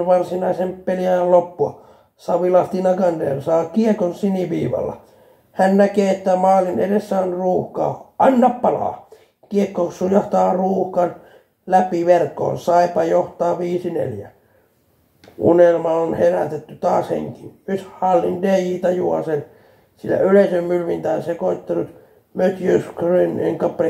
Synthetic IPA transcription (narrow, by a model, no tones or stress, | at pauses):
ʋɑrsinɑisemppeljæjllopːuɑ̰ | sɑʋilɑst̪inɑɡɑndḛːrsɑːkiekonsiniʋḭːʋɑ̰lːɑ̰ | hænnækeːet̪ːæmɑːlinḛdesːæonruːhkɑ̰ːʔɑnːɑppɑlɑ̰ː | kiekːoksujɑht̪ɑːruːhkɑn | læpiʋerkːˑo̰ːnsɑipɑjoht̪ɑːʋiːsinḛljæ | unelmɑonheræt̪et̪ːyt̪ɑːshḛŋkiyshɑlːindejiːt̪ɑjuɑsen | silːæ̰yleisømmylʋint̪æːnsekoit̪ːɑnut̪ | møt̪jøskrinḛŋkɑpre